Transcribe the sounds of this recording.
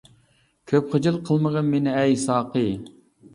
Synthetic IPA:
kʲʰøpχəd͡ʒɨlˠqʰəlˠməʁənmenɪɛjsɑːqɨ

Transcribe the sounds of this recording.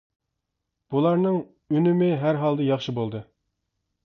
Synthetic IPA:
b̥ulˠɑɾnɨŋ | ynymɪɦæɾɦɑlˠd̪ɨjɑχʃɨbolˠd̪ɨ

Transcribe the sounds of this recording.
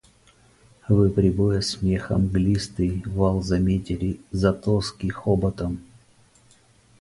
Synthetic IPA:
vɨpɾʲɪbojəsʲmʲexə̰mɡlʲist̪ɨjvalˠzɐmʲetʲɪlʲɪzɐt̪oskʲixobɐt̪əm

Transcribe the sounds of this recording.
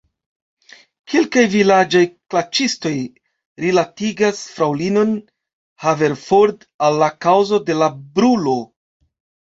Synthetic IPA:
kʰe̞lkajvilad͡ʒajklat͡ʃisto̞j | ɾilatiɡasfɾawlino̞n | have̞ɾfoɾd | alːakawzo̞de̞labɾulo̞

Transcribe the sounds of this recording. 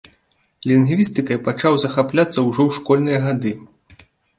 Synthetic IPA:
lʲinɣvʲist̪ɨkɐjpat͡ʂawzɐxaplʲat̪sːɐwʐɔwʂkɔlʲnɨjɐɣad̪ɨ

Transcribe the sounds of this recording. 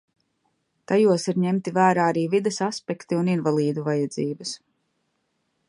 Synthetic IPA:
t̪ajuɔsiɾɲemt̪ivæːɾaːaɾiːvid̪ɛsaspɛkt̪iuninvalˠiːd̪uvajad̪ziːbas

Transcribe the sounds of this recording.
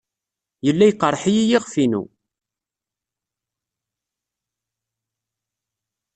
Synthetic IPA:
jəlːæjqːərˤːħijijiʁfinṵ

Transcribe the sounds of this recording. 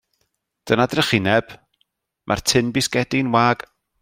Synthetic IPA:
d̥ənadrəχɪnɛb̥ | mʔa̰rtʰɪnbɪsɡɛdɪnwaːɡ̥

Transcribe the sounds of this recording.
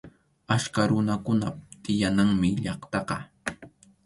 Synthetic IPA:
askaɾʊnakʊnat̪ɪjanaŋmɪʎɑχt̪ɑqɑ

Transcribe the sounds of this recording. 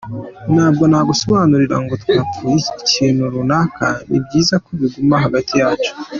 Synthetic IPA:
naːbɡo̞naːɡuso̞βaːnuɾiɾa̰ŋɡo̞tkatuiciciːnhuɾunakʰa̰nʔḭbɟiːzakoβiɡumaɦaɡatijaːt͡ʃu̥

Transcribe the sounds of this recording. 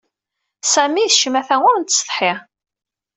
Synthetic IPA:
sæmiθʃəmæθæŋʊɾnt̪ːə̥st̪ˤħiʁ

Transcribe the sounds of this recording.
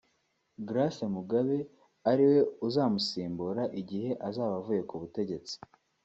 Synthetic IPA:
ɡɾasemuɡaβe̞ | aɾiwe̞uzaːmusiːmbuɾaʔiɟihe̞ʔazaːβavuje̞kuβute̞ɟe̞t͡si̥

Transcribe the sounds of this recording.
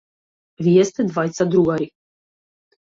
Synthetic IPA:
vijɛst̪ɛd̪vajt̪sad̪ɾuɡaɾi

